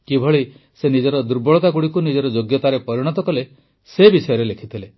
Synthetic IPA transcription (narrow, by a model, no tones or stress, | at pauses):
kibʱɔɭi | senid͡ʒɔɾɔd̪uɾbɔɭɔt̪aɡuɽikunid͡ʒɔɾɔd͡ʒoɡjɔt̪aɾepɔɾiɽ̃ɔt̪ɔkɔle | sebisɔjɔɾelekʰit̪ʰile